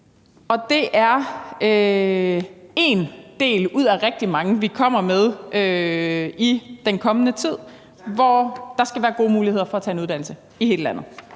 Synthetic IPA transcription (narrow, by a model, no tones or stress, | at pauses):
ɒ̽d̥e̝ʔæɐø | e̝nd̥e̝̰ːluð̞̰ˠæʁɛɡ̥̚d̥imɑ̈ŋəʋikʰɒ̽m̰ɐmeð̞ˠʔø | id̥enkʰɒ̽mənət͡sʰið̞̰ˠ | ʋɒd̥ɑ̈sɡ̥æʋæːɐɡ̥o̝ːmuːlihe̝ɐfɒ̽æt͡sʰɛ̰ːe̝nuð̥ˠænl̩sə | ihe̝ːləlæn̰ð̞̩ˠ